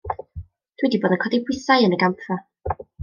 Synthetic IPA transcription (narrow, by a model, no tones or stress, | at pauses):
d̥ʰwidiboːdənkʰɔdipʰwɪθajənəɡampʰra